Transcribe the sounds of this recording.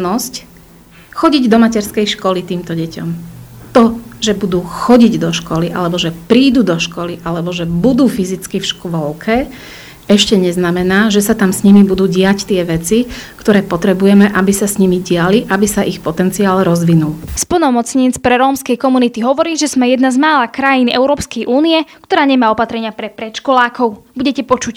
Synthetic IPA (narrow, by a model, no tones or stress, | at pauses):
nɔsc | xɔɟiɟd̪ɔmacɛɾskɛjʃkɔlit̪iːmt̪ɔɟɛcɔ̰mt̪ɔʒɛbud̪uːxɔɟiɟd̪ɔʃkɔliʔa̰lɛbɔʒɛpɾiːd̪uːd̪ɔʃkɔliʔalɛbɔʒɛbud̪uːfizit͡skifʃkʋɔlkʰɛ | ɛʃcɛɲɛznamɛnaːʒɛsat̪amsɲimibud̪uːɟɪact̪ɪɛʋɛt͡sikt̪ɔɾɛːpɔt̪ɾɛbujɛmɛʔabisasɲimiɟɪaliʔabisaʔixpɔt̪ɛnt͡siaːlɾɔzʋinulspl̩nɔmɔt͡sɲiːt͡spɾɛɾɔːmskɛjkɔmunit̪iɦɔʋɔɾiːʒɛzmɛjɛd̪nazmaːlakɾajinɛ̰ʊɾɔːpskɛjʔuːniɛkt̪ɔɾaːɲɛmaːɔpat̪ɾɛɲɪapɾɛpɾɛt̪ʃkɔlaːkɔʊbuɟɛcɛpɔt͡ʃuc